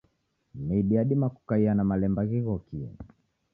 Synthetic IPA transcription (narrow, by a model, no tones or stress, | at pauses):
miɗiaɗimaku̥kaianamalɛmbaɣiɣɔkiɛ̰